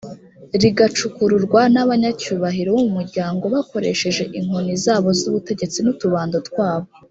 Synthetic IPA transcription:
ɾiɡat͡ʃukuɾuɾɡwanaβaɲacuːβaɦiɾo̞wumumuɾɟaːŋɡo̞βako̞ɾe̞̰ʃe̞ʒe̞ʔiŋonizaːβo̞zuβute̞ɟe̞t͡sinutuβaːndotkwaːβo

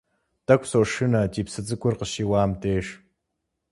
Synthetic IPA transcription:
tɐkʷsoːʂɨnɐtiːpsɨd͡zɨkʷʼʊrqəʃiːwaːmtʰeːʂ

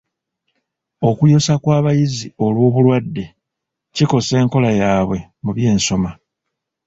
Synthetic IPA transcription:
o̞kujo̞sakwaːβajizio̞lwo̞ːβulwadːe̞ | ciko̞se̞ːŋko̞lajaːβwe̞muβje̞ːnso̞ma

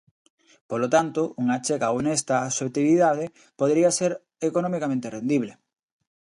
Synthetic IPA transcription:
polot̪ant̪oʔuŋat͡ʃekaonest̪aːsot̪iβiðað̞e | poð̞eɾiaseɾ | ekonɔ̃mikamẽnt̪erend̪iβle

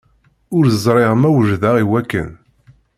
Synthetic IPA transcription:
ʊɾəzˤɾˤeʁmæwəʒðæʁiwækːə̰n

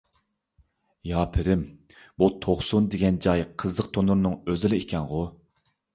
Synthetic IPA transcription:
jɑːpʰɪɾɪm | but̪ʰoχsund̪eɡʲɛnd͡ʒɑjqʰəzlˠəq̚t̪ʰonuɾnɨŋøzɪlɪekʲʰɛnʁʊ

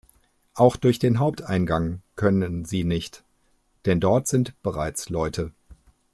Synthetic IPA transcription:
ʔaʊxd̥ʊɐçd̥eːnɦaʊp̚tʰʔaɪnɡaŋkʰœnənziːnɪçt | d̥ɛndɔɐtz̥ɪntb̥əʁaɪt͡slɔʏtʰə

